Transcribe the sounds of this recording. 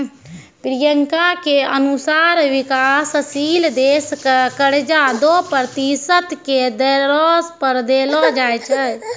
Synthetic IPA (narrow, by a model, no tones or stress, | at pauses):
pɾijəŋkakeənusaɾʋikasəsild̪eskkəɽd͡ʒad̪opɾɾət̪isət̪ked̪əɾɔspəɾd̪elɔd͡ʒajt͡ʃʰə